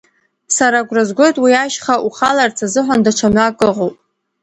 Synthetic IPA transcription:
saɾaɡʷrazɡʷo̞jtʼwiaʃχaʔuχalart͡sʰazɨħʷandaʈ͡ʂʷʰamakʼɨʁowpʼ

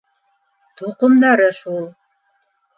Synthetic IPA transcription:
t̪ʰuqʊmd̪ɑɾəʃulˠ

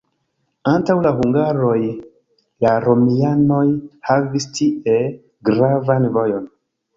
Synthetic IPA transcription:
antawlaɦuŋɡaɾo̞j | laɾo̞miano̞jhavistʰiʔe | ɡɾavanvo̞jo̞n

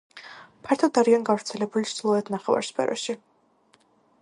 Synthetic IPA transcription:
pʰaɾt̪ʰɔd̪aɾianɡavɾt̪sʰɛlɛbulizlˠɔɛt̪ʰnaχɛva̰ɾspʰɛ̰ɾɔ̰ʃi

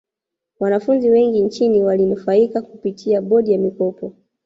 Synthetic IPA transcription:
wanafunziwɛŋɡint͡ʃiniwalinufaikakupitʰiaɓɔɗijamikɔpɔ

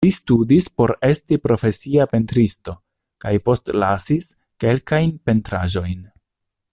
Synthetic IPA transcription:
listudispo̞ɾe̞stipɾo̞fe̞siape̞ntɾisto̞ | kajpo̞stlasis | ke̞lkajnpe̞ntɾa̰ʒo̞jn

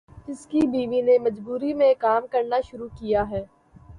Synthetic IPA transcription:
d͡ʒɪskibiːʋinemɐd͡ʒbuːɾimẽkaːmkɐɾnaʃʊɾukijaɦɛː

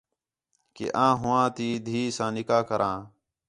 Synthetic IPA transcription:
kḛːʔãːɦʊãːt̪iːd̪ʱiːsãːnɪkaːkəɾʔãː

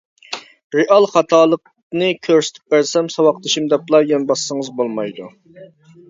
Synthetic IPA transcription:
ɾeʔɑlˠχɑt̪ʰɑːlˠəq̚ | nɨkʲʰøɾsɪ̥t̪ʰɪ̥p̚bæɾsɛmsɑwɑqt̪ɨʃimd̪ɛplˠɑjɑnbɑsːəŋəzbolˠmɑjd̪u

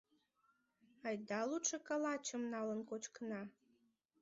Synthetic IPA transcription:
ɑjd̪ɑlutʃəkɑlɑt͡ɕəmnɑlənkot͡ɕkənɑ

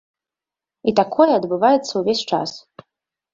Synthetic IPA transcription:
it̪akʰojɛad̪bɨvajɛt̪t͡s̪ʰːɐuvʲesʲʈ͡ʂʰa̰s

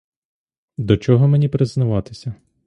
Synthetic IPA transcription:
d̪ɔt͡ʃɔɦɔmenʲipɾɪznɐʋɑt̪ɪ̥sʲɐ

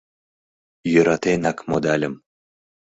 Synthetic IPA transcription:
jyɾat̪enakmod̪alʲəm

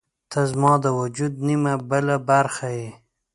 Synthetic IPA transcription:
t̪ʰazmɑd̪əwad͡ʒud̪nimabəlabaɾxaje

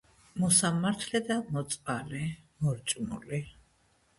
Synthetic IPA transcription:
mɔsamaɾt̪ʰlɛd̪amɔt̪sʼpalimɔɾt͡ʃʼmṵli

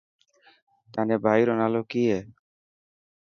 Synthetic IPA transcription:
t̪anebʱajɾɔnalokie

